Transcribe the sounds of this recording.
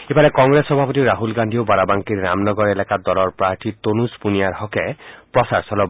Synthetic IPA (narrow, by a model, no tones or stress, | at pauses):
epalɛkɔŋɡɾesxɔbʱapɔt̪̬iɾaɦulɡand̪ʱiobaɾabaŋkiɹːamnɔɡɔɹelakad̪ɔlɔɹpɹaɹt̪ʰit̪onuspunijaɹhɔkɛpɹɔsaɹsɔlɔ